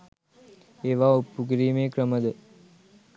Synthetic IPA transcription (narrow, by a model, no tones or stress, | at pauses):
eːʋaːupːuɡɾiːmeːkɾəməd̪ə